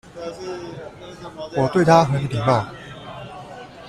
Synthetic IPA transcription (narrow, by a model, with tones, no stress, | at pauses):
wɔ˨˩t̪we˥˩ɪt̪ʰa˥xɤ˧˥ni˨˥˩t̪ʰi˨˩kɑ˥˩ʊ